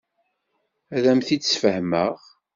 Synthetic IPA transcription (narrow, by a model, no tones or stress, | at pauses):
æðæmθit͡sːsfəhməʁ